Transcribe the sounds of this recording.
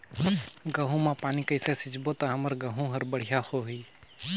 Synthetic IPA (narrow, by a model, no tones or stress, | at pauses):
ɡəɦũmãpaːnikəɪsesɪd͡ʒbot̪aɦəməɾɡəɦũɦəɾbəɽ̤ijahoɦiː